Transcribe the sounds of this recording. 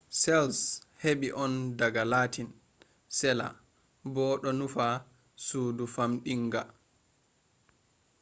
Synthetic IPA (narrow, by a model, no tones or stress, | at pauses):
sɛlsheɓiʔɔndaɡalaːtʰin | sɛla̰ | bɔɗɔnufa | suːdufamɗiŋɡa